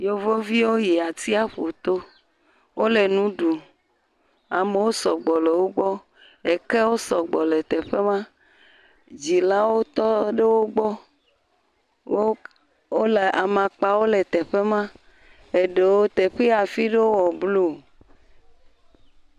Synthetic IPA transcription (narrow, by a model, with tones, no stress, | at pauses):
jo˦vo˦vi˦wo˦je˨a˨t̪i˦a˦ɸo˨t̪o˦ | wo˦le˨nũ˦ɖu˨ | a˨me˨wo˦sɔ˨ɡ͡bɔ˨le˨wo˦ɡ͡bɔ˦ | e˨ke˦wo˦sɔ˨ɡ͡bɔ˨le˨t̪ɛ˨ɸe˦mã˦ | d͡ʑi˨la˦wo˦t̪ɔ˦ɖe˦wo˦ɡ͡bɔ˦ | wo˦ | wo˦le˨ʔa˨mã˨k͡pa˨wo˦le˨t̪ɛ˨ɸe˦mã˦ | e˨ɖe˨wo˦t̪e˨ɸe˦a˨fi˦ɖe˦wo˦wɔ˨blu˦